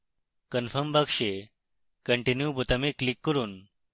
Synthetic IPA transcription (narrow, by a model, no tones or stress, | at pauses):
kənfəɾmbakʂe | kəɳʈinjuput̪əmiklikːəɾuːn